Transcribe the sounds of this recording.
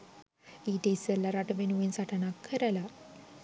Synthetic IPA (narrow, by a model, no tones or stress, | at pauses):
iːʈeisəlːɐɾaʈəʋenuʋensaʈənakʰːəɾəla